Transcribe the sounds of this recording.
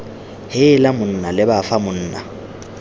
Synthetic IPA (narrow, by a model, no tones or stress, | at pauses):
hɪlamʊn̩nalɪbafamʊn̩ːna̰